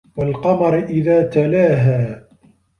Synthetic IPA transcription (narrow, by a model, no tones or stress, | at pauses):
walqɑmɑɾʔɪðaːt̪alaːɦaː